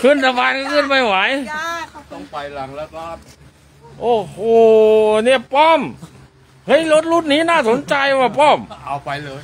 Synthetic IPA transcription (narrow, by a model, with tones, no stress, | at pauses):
kʰɯ˧˥˨nt̪ʰa˧baː˧nka˧˩kʰɯː˧˥˩npa˧˩jwa˨˦j̪ | ɔ˧˩ŋpa˧jla˨˦ŋ˧ | ʔoː˧˩hoː˧˩ni˧˩əpɔː˥˩m | hɤ˧˥˨jlo˦˥t̪̚luː˧˥˩t̪̚niː˦˥naː˥˩so˨˦nt͡ɕa˧jwaː˧˩pɔː˧˥˩ma˧pa˧j